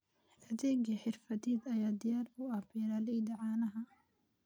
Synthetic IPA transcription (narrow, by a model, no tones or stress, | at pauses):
ʔɐðɛːɡɐħɪrfɐd̪ɛːd̪ɐjaːd̪ɪjaːrʊɐbiːɾalɛjd̪ɐʕɑːnɐɦɐ